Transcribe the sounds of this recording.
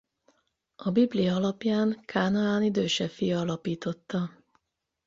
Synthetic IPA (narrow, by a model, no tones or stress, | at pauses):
ɒbiblijɒɒlɒpjaːŋkʰaːnɒaːnid̪øːʃɛfijɒɒlɒpiːt̪o̞t̪ːɒ